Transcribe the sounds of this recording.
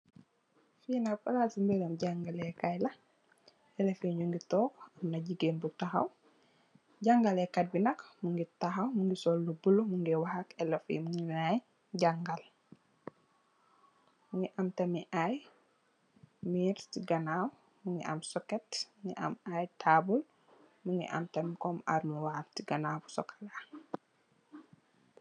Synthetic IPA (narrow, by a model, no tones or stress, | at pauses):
fiːnapɐɾasimbeɾɐmɟaŋɡalɛkajlɐ | ɛlɛfiɲuŋɡitɔːkɐmnɐɟiɡenbutaxɐ̰w | ɟaŋɡalɛkɐt̚binɐkmuŋɡitɐxɐwmuŋɡisɔlːubulumuŋɡɛwahakɛlɐfḭmuŋɡinaj | ɟaŋɡal | muŋɡiʔɐmtɐmiʔaj | miːɾtiɡɐnaw | muŋɡḭʔɐ̰msɔkɛtmuŋɡḭʔɐ̰majtʰaːbul | muŋɡḭʔɐ̰mtɐmikɔma̰ɾmuwaːtiɡɐnafu̥sɔ̰kʰɐ̥la